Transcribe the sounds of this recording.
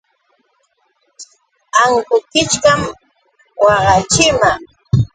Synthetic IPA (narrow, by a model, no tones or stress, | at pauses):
aŋkʊkɪt͡ʃkam | wɑɢɑt͡ʃɪma